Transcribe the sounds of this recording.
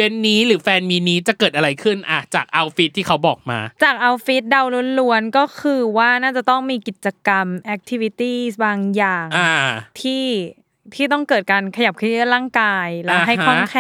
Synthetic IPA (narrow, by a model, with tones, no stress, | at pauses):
we˧nːiː˦˥ɾɯː˩˦fɛː˧nmiː˧niː˦˥t͡ɕa˨˩kɤː˨˩t̪̚ʔa˧ɾa˧jkʰɯ˥˩nʔa˨˧˩t͡ɕaː˨˩k̚ʔa˧wfi˦˥t̪ʰːiː˥˩a˦˥wbɔː˨˩k̚ma̰ː˧t͡ɕaː˨˩k̚ʔa˧wfi˦˥t̪̚da˧wlu˧˥ənlu˧˥ənkɔː˥˩kʰɯː˧waː˥˩naː˥˩t͡ɕa˨˩t̪ɔ˥˩ŋmiː˧ki˨˩t̪̚t͡ɕa˧ka˧mʔɛ˨˦˥k̚t̪ʰi˧˥wi˧˥t̪iː˥˩baː˧ŋjaː˨˩ŋa˧˩t̪ʰiː˥˩ | t̪ʰiː˥˩t̪ɔ˥˩ŋkɤː˨˩t̪̚kaː˧nkʰa˧ja˨˩p̚kʰɯ˥˩˥laː˥˩ŋkaː˧jlɛ˦˥ɦa˥˩jkʰɔ˥˩ŋkʰɛ˧˩